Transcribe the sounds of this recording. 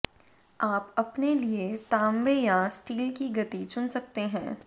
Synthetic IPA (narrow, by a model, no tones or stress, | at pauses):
aːpɐpneliet̪aːmʋejasʈiːlkiɡɐt̪it͡ʃʊnsɐk̚t̪eɦɛ̃ː